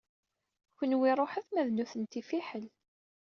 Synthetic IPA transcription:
kənwiɾˤoħæθmæðnuθənt̪ifiħəl

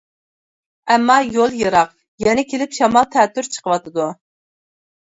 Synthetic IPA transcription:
ɛmːɑjolˠjɨɾɑq | jɛnɛkʲʰelɪpʃɑmɑlˠt̪ʰɛːt̪ːyɾt͡ʃʰə̥qʰəwɑt̪ʰɨd̪u

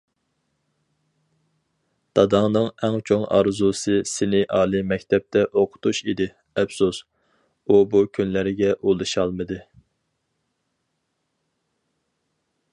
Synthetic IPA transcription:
d̪̥ɑd̪ɑŋnɨŋɛŋt͡ʃʰoŋɑ̰ɾzusɨsɪnɪʔɑːlˠɨmɛkʲt̪ʰɛp̚t̪ʰɛʔoqʰʊ̥t̪ʰuʃid̪ɪ | ɛpsus | ubukʲʰynlæɾɪɡʲɛʔulˠɨʃɑlˠmɨd̪ɨ

